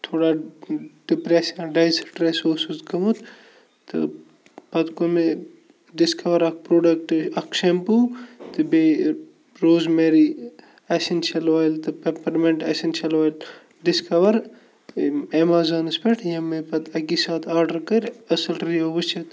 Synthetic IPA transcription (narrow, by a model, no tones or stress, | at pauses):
t̪ʰoːɽa | ɖipɾesɐnɖɐjsiʈɾesoːsuzkɐmut̪ | t̪ɨ̰ | pɐt̪kome | ɖiskʰɐʋɐɾɐk̚pɾoːɖɐk̚ʈɐkʃempuːt̪ɨbe | ɾoːzmeɾi | ɐsint͡ʃʰɐlʋaːlt̪ɨpepɐɾmeɳʈɐsint͡ʃʰɐlʋaːl | ɖiskɐʋɐɾ | emaːzɐːnɨspeʈʰjɐmepɐt̪ɐkisaːt̪ʰaːɾɖɐɾkɐɾʲɐsɐlɾiɐɨt͡ʃʰit̪